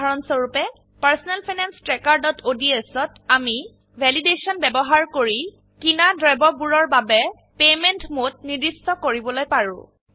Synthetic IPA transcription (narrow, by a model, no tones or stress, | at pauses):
aɹɔnsɔɹupɛ | paɹsɔnɛlpʰajnanstɹɛkaɹdɔtʰodiesɔtami | bʱɛlidesɔnbɛbɔɦaɹkoɹi | kinadɹajbɔbuɹɔɹbabɛ | pemɛntmot̚nidistɔkoɹibɔlojpaɹʊ̰̃